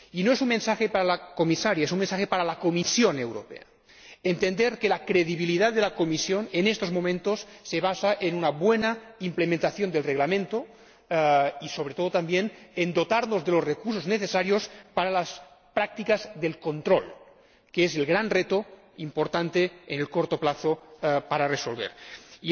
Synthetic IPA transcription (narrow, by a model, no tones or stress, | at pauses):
inoesunmensaxepaɾalakomisaɾjaes̬unmensaxepaɾalakomisjonewɾo̰pḛa | ent̪end̪eɾkelakɾeðiβiliðaððelakomisjonenest̪ozmomẽnt̪osːeβasaʔenunaβwenaimplemẽnt̪aθjond̪elreɣlamẽnt̪o | isoβɾet̪oðot̪ambjenend̪ot̪aɾnozðelosrekuɾs̬ozneθesaɾjospaɾalas | pɾak̚t̪ikazðelkont̪ɾol | keezelɣɾanret̪o | impoɾt̪ant̪eenelkoɾt̪oplaθopaɾaresolβḛɾ